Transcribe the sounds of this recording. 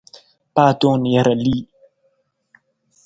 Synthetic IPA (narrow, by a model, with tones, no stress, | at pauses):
paː˦˨t̪o˦˨ni˨ja˨ɾa˨li˦˨